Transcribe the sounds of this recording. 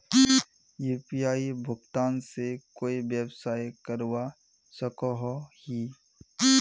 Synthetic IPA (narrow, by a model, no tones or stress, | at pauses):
juːpijaːibʱʊɡt̪aːnsekoːibjəbsaːjkəɾwa | səkɔɦhi